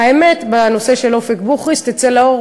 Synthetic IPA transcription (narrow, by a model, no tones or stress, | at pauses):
aeme̞t̪bano̞se̞ʃe̞lofekbuχʁist̪it͡selao